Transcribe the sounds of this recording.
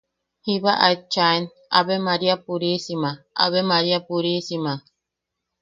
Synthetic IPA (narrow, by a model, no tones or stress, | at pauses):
hiβaʔajt͡ʃaen | a̰bemaɾiapuɾisimaʔa̰βemaɾiapuɾisima